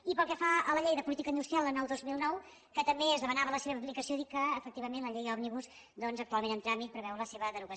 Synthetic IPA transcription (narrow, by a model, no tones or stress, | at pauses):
ipəlˠkɛfaələʎejðəpulit̪ikəind̪ust̪ɾialˠlənɔwðozmilˠnɔw | kət̪əmbeəzðəβənaβələseβəplikəsijoðikəːfək̚t̪iβəmẽnləʎejɔβniβus | d̪ɔnzəkt̪ualˠmẽnənt̪ɾamit̪̚pɾəβɛwɾələseβəðəɾuɣə